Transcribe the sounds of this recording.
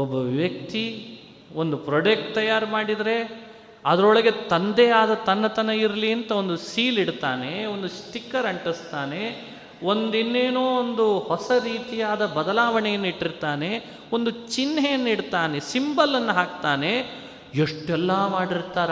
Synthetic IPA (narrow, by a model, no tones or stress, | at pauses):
ɔbːɐʋiʋjɐk̚t̪i | o̞nd̪upɾoɖek̚ʈ̚t̪ɐjaːɾmaːɽid̪ɐɾe̞ | ɐd̪ɐɾɔɭɐɡe̞t̪ɐnd̪ɛjaːd̪ɐt̪ɐnːɐt̪ɐnɐiɾliɐnt̪ɐo̞nd̪usiːliɽt̪aːne̞o̞nd̪usʈ̪ikːɐɾɐɳʈɐst̪aːne̞ | o̞nd̪inːeːnoːond̪uhɔsɐɾiːt̪ijaːd̪ɐbɐd̪ɐlaːʋɐɳɛjɐnːiʈːiɾt̪aːne̞ | o̞nd̪ut͡ʃinːejɐnːiɽt̪aːnesimbɐlɐnːɐɦaːkt̪aːne̞ | eʂʈɛlːɐmaːɽiɾt̪aːɾ